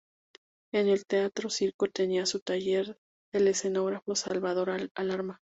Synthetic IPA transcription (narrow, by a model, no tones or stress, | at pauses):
e̞ne̞lt̪eat̪ɾo̞siɾko̞t̪e̞niasut̪aʝe̞ɾ | ele̞se̞no̞ɣɾafo̞salβaðo̞ɾaalaɾma